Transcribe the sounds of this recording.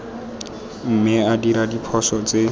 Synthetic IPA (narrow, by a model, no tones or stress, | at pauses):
m̩mɪadiɾadipʰɔsɔt͡se